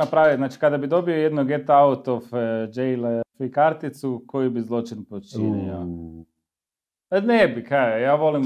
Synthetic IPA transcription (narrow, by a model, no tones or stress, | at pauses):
apɾaːʋiznaːt͡ʃi̥kad̪abid̪o̞biojed̪noɡet̪aaut̪ofd͡ʒejlefikaɾt̪it̪suko̞jibizlˠo̞t͡ʃinpot͡ʃinḭo̰ | anebikajaːʋo̞lim